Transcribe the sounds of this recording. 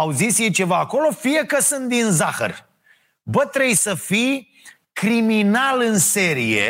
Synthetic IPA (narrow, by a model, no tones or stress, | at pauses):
awzisje̞jt͡ʃe̞vaːko̞lo̞fije̞kəsɨnt̪̚d̪inzaxə̰r | bət̪ɾe̞jsəfij | kɾiminalɨnse̞ɾije̞̰